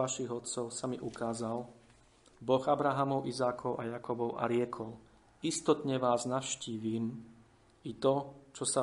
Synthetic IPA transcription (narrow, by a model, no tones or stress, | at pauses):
aʃiɣɔt̪sɔʊsamiʔukaːzal | bɔɣabɾaɦamɔʊʔizaːkʰɔʊʔajakɔbɔʊʔa̰ɾɪɛkʰɔl | ist̪ɔt̪ɲɛʋaːznaʊʃciːʋiːm | it̪ɔt͡ʃɔsa